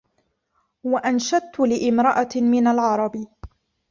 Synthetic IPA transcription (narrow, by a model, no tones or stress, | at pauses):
waʔanʃad̪̚t̪ʊlɪʔɪmɾɑʔamɪnalʕɑɾˤɑb